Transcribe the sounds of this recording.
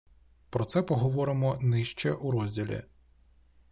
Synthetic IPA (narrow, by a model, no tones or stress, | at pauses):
pɾɔt̪sɛpɔɦɔʋɔɾɪmɔnɪʃt͡ʃɛʔuɾɔzʲdʲilʲḭ